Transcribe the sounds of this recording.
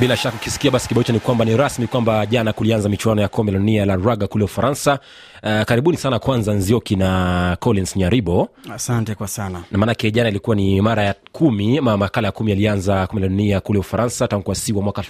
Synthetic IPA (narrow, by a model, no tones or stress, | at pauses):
ɓilaʃakːaukisi̥kiaɓasi̥kiɓait͡ʃanikwambaniɾasmikwambaʄanakulianzamit͡ʃuwanɔjakɔmbɛlaɗunialaɾwaɡakulɛufaɾansa | kaɾiɓunisanakwanzanziɔkinakɔlinsɲaɾiɓɔasantɛkwasananamaːnakɛʄanailikuwanimaɾajakʰumimmakalajakumijalianzakumilaɗuniakulɛufaɾansataŋɡuwasiwamwakaalf